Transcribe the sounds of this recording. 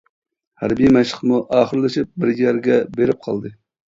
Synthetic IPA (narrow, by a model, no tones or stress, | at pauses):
hæɾbijmæʃəqmuʔɑːχəɾlˠɨʃip̚bɪɾɡijæɾɡʲɛbeɾɪp̚qʰɑlˠd̪ɨ